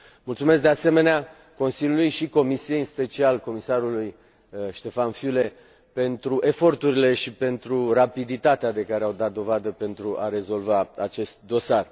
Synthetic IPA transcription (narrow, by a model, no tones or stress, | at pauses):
mult̪sumesk̚d̪ease̞me̞nea | ko̞nsilʲjulujʃiko̞misie̞jɨnspe̞t͡ʃialko̞misaɾuluj | ʃt̪e̞fanfjule̞ | pe̞nt̪ɾuʔe̞fo̞rt̪uɾile̞ʃipe̞nt̪ɾurapid̪it̪at̪ead̪e̞kaɾeawd̪at̪̚d̪o̞vad̪əpe̞nt̪ɾuʔaɾe̞zo̞lvaat͡ʃe̞st̪̚d̪o̞sar